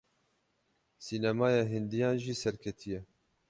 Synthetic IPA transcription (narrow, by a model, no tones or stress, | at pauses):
siːnamɑːjɑːɦɪnd̪ijɑːnʒiːsɛɾkʰɛt̪ʰijɛ